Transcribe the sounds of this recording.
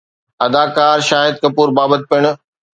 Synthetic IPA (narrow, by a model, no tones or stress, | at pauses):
ɐd̪aːkaːɾʃaːɦɪd̪̚kɐpuːɾbaːbət̪̚pɪɽ̃ʊ̆